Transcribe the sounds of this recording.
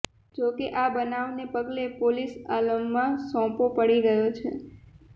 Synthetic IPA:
d͡ʒokeʔabənaʋnepəɡlepolisaləmːãsɔ̃popəɽiɾəɦjot͡ʃʰḛ

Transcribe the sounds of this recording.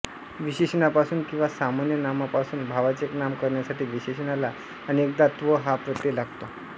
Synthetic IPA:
ʋiɕeɕənapasuːnkĩw̃ʋasamanjənamapasuːnbʱaʋat͡seknamkəɾɳjasaʈʰiːʋiɕeɕənalaː | ɽ̃iek̚d̪at̪ʋəɦapɾət̪jelaɡt̪o

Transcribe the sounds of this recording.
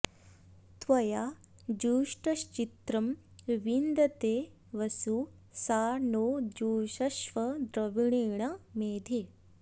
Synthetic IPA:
t̪ʋɐja | d͡ʒuːʂʈɐʃt͡ʃit̪ɾɐmʋind̪ɐt̪eː | ʋɐsu | saːnoːd͡ʒuːʃɐʃʋɐd̪ɾɐʋiɳeːɳ̃ɐmeːd̪ʱeː

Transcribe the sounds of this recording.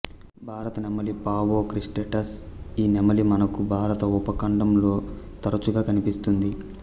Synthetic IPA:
bʱaːɾɐt̪ɐnɛmɐlipaːʋoːkɾisʈeʈɐsiːnɛmɐlimɐnɐkubʱaːɾɐt̪ɐupɐkɐɳɖɐmlo̞ːt̪ɐɾɐt͡ʃuɡaːkɐnipist̪und̪i

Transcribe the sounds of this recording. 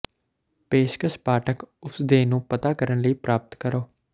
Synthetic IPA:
peːʃkəspaːʈʰəkʊsd̪eːnũːpət̪aːkəɾənləiːpɾaːpət̪kəɾoː

